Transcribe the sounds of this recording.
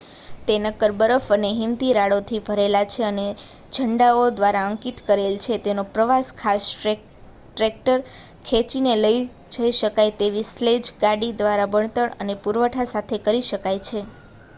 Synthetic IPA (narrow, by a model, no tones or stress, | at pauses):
t̪enəkəɾbəɾəfəneɦimt̪iɾaɽot̪ʰibʱəɾelat͡ʃʰeəne | d͡ʒʱəɳɖaod̪ʋaɾaəŋkit̪kəɾelt͡ʃʰet̪enopɾəʋaskʰas | ʈɾek̚ʈəɾ | kʰet͡ʃineləj | d͡ʒʱəiʃəkajt̪eʋisled͡ʒɡaɽid̪ʋaɾabəɳt̪əɭə̰nepuɾʋəʈʰasat̪ʰekəɾiʃəkajt͡ʃʰe